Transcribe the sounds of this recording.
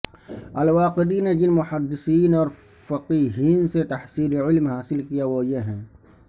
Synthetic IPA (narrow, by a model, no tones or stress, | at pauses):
ɐlwaːqɪd̪ined͡ʒɪnmʊħad̪ːɪsiːnɔːɾ | fɐqiːɦiːnset̪ɐħsiːlʕɪlmɦaːsɪlkijawoːjeɦɛ̃ː